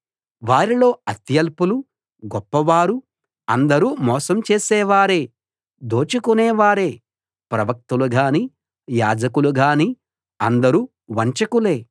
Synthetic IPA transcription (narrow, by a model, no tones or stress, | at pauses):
ʋaːɾilo̞ːɐt̪jɐlpulu | ɡɔpːɐʋaːɾu | ɐnd̪ɐɾumɔːsɐmt͡ʃeːsɛːʋaːɾe̞ː | d̪oːt͡ʃukunɛːʋaːɾeː | pɾɐʋɐk̚t̪uluɡaːni | jaːd͡ʒɐkuluɡaːni | ɐnd̪ɐɾu | ʋɐɲt͡ʃɐkule̞ː